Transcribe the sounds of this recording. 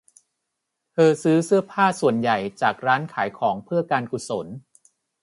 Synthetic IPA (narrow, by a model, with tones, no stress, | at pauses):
t̪ʰɤː˧sɯː˦˥sɯ˥˩ɐpʰaː˥˩su˨˩ənja˨˩jt͡ɕaː˨˩k̚ɾaː˦˥nkʰaː˩˦jkʰɔː˩˦ŋpʰɯ˥˩ɐkaː˧nku˨˩so˩˦n